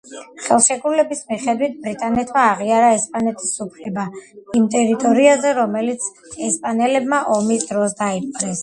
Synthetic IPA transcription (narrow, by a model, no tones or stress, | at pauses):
χɛlˠʃɛɡɾulɛbismiχɛd̪wit̪̚ʰbɾit̪ʼanɛt̪ʰmaːʁiaɾaɛspʼanɛt̪ʼʰi̥supʰlɛbaimt̪ʼɛɾit̪ʼɔɾiazɛɾɔmɛlit̪sʰ | ɛspʼanɛlɛbmaʔɔmisd̪ɾɔsd̪aipʼɾɛs